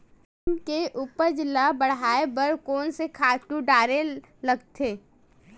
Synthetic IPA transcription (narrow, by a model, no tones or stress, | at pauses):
nkeʔʊpəɾd͡ʒlabəɽ̤aːebəɾkɔːnsekʰaːʈuɖaːɾe | lɐɡt̪ʰeː